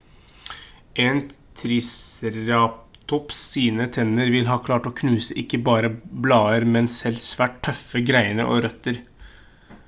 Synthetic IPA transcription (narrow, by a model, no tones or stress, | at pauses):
ʔeːnt̪ʰɾɪsɾɑpt̪ʰɔpsiːnət̪ʰɛnəɾʋɪlɦɑːkʰlɑːʈoːkʰnʉːsəʔɪkːəbɑːɾəblɑːəɾmɛnsɛlsʋæːʈt̪ʰːœfəɡɾæɪnəʔo̰ːɾœt̪ːəɾ